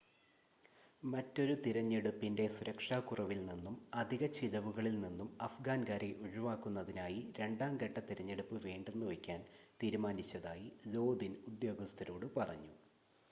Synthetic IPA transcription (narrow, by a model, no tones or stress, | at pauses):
mɐtːo̞ɾut̪iɾɐɲːeɽupːinde̞suɾɐkʂaːkurɐʋilninːumɐd̪ʱiɣɐt͡ɕiðɐʋuɣɐɭilninːumɐfɡaːnkaːɾe̞ʔuɻiʋaːkːunːɐðinaːjiɾe̞ɳɖaːmɡɐʈːɐt̪iɾɐɲːeɽupːɨʋeːɳɖe̞nːuʋɐkʲːaːnt̪iːɾumaːnit͡ɕːɐðaːjilo̞ːd̪inud̪jo̞ːɡɐst̪ʰɐɾo̞ːɽɨpɐrɐ̰ɲːu